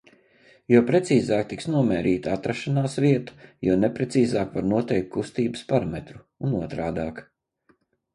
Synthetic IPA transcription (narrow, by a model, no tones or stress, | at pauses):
juɔpɾɛt̪siːzaːkt̪iksnuɔmɛːɾiːt̪at̪ɾaʃanaːsviɛt̪u̥junɛpɾɛt̪siːzaːkvaɾnuɔt̪ɛjk̚t̪̚kust̪iːbəspaɾamet̪ɾu | unuɔt̪ɾaːd̪aːk